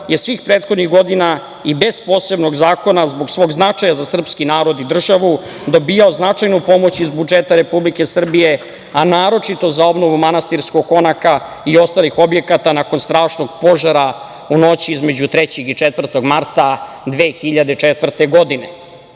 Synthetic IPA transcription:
je̞sʋiːxpɾeːt̪xo̞d̪niɣɡo̞d̪ina | ibe̞zpo̞ːse̞bno̞ɡzaːko̞nazboɡsʋo̞ːɡznat͡ʂajazasr̩pskinaːɾo̞d̪id̪r̩ʒaʋu | d̪o̞biːjaoznat͡ʂajnupo̞mo̞t͡ɕizbud͡ʒet̪aɾe̞publike̞sr̩bije̞ | anaːɾo̞t͡ʂit̪o̞zao̞bno̞ʋumanast̪iɾskoɡ̚ko̞naka | io̞st̪alixo̞bje̞kat̪anako̞nst̪ɾaːʃno̞ɡpo̞ʒaɾa | uno̞t͡ɕiizme̞d͡ʑut̪ɾet͡ɕexit͡ʂet̪vr̩t̪o̞ɡmaɾt̪a | d̪ʋeːxiʎad̪et͡ʂet̪ʋr̩t̪eɡo̞d̪ine

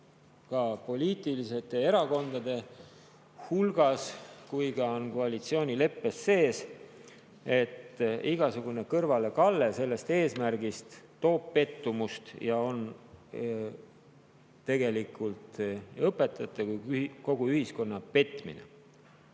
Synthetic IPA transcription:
kɑpo̞lʲiːt̪ˑilise̞t̪e̞e̞ɾɑko̞nd̪ɑd̪̥e̞ | hulɡ̥ɑskujɡɑo̞nko̞ɑlit̪sio̞ːnʲile̞pːe̞sːe̞ːs | e̞t̪ːiɡ̥ɑsuɡ̥une̞kɤrvɑle̞kɑlːe̞se̞lːe̞st̪e̞ːsmærɡ̥ist̪ː | o̞ːb̥pe̞t̪ːumust̪jɑo̞n | t̪e̞ɡe̞likult̪ɤpːˑe̞t̪ːˑɑt̪ːˑekujyko̞ɡ̥uyhisko̞nːɑpe̞t̪ːˑmḭnḛ

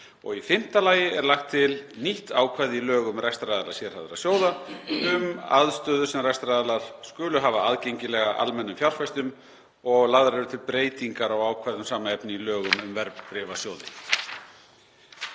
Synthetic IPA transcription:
ɔ̰ɣifɪm̥t̪alaːjɪɛɾlaxt̪ʰːɪlniht̪aːwkʰvajðɪilœːɣʏmrajst̪ɾajðalḁsjɛɾ̥avðʏɾa̰sjoːwðaʏma̰ðst̪œːðʏsɛmrast̪ɾaðalaɾ̥skʏːlʏɦaːvaaðcejɲcɪlɛɣaʔa̰lmɛnːʏmfjawr̥fajst̪ʏm | ɔɣlaɣðɾɛɾʏt̪ʰɪlpɾeːjt̪iŋkaɾawaːwkʰvajðʏmsaːmaɛpnɪilœːɣʏmʏmvɛɾppɾɪvasjoːwðɪ̰

